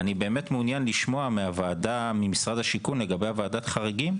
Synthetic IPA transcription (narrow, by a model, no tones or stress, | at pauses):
anibe̞ːme̞tmeunjanliʃmo̞ameavaːdamimisʁadhaʃikunle̞ɡabe̞javaːdat̪χaʁeɡim